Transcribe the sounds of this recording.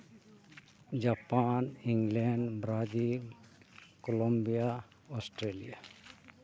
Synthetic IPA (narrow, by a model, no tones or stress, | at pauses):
d͡ʒaːpaːnĩŋɡlɛɳɖbɾaːd͡ʒil | kolõmbija | ɔːsʈɾeːlija